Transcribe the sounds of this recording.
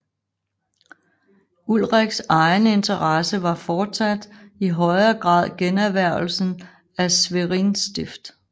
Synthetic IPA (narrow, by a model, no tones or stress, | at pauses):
ulʁeɡ̥sɑ̈ɪne̝nt͡sʰɐʁɑsəʋɑ̈fɒːd̥sæd̥iɦɒ̽ɪɐɡ̥ʁɑ̰̈ːð̞̰ˠɡ̥enæɐʋæɐ̰l̩sn̩ | æsʋeʁinsd̥ifd̥